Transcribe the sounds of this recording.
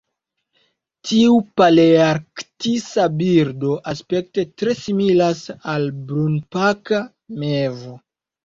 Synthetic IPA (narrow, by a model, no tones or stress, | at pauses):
tʰiupaleaɾktisabiɾdo̞ʔaspe̞k̚te̞tɾe̞similasalbɾunpaka | mevo